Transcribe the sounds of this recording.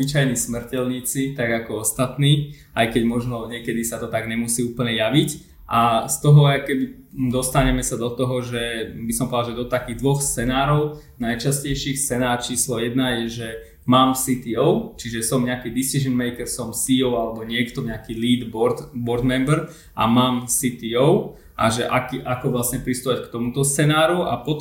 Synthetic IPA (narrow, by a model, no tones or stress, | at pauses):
ʋit͡ʃajnismr̩cɛlɲiːt͡sit̪aɡakɔɔst̪at̪niː | ʔajkɛɟmɔʒnɔɲɪɛkɛd̪isat̪ɔt̪aɡɲɛmusiːuːpl̩ɲɛjaʋic | ʔast̪ɔɦɔakɛbi | d̪ɔst̪aɲɛmɛsad̪ɔt̪ɔɦɔʒɛbisɔmpɔd̪aʒɛd̪ɔt̪akiːɣd̪ʋɔxst͡sɛnaːɾɔʊ | najt͡ʃascɛjʃixstt͡sɛnaːɾt͡ʃiːslɔjɛd̪najɛʒɛ | maːmsit̪iɔʊt͡ʃiʒɛsɔmɲɛakiːd̪issiʒənmɛjkɛɾsɔmsiɔʊalɛbɔɲɪɛkt̪ɔɲɛakiːliːd̪bɔɾt̪bɔɾd̪mɛmbɛɾ | ʔa̰maːmsit̪iɔʊ | ʔa̰ʒɛʔakiʔakɔʋlasɲɛpɾist̪uʋackt̪ɔmut̪ɔst͡sɛnaːɾua̰pɔt̪